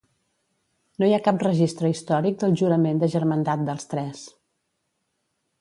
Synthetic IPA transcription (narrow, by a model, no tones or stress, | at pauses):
nojakap̚rəʒist̪ɾəist̪ɔɾik̚d̪əlˠʒuɾəmend̪əʒəɾmənd̪at̪̚d̪əlˠst̪ɾɛs